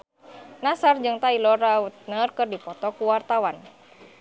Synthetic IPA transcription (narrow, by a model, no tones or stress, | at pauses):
nasard͡ʒɨŋt̪ailɔɾaut̪̚nərkɨrdipɔt̪ɔkuwart̪awan